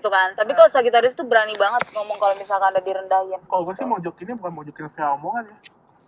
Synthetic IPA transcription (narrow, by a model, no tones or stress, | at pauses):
t̪ukant̪apikalosaɡit̪aɾɪst̪ubəɾanibaŋət̪̚ŋɔmɔŋkalomisalkanadadiɾəndaɪnakasɪmɔd͡ʒɔkinibukanmɔd͡ʒɔkɪnfeaɔmɔŋanja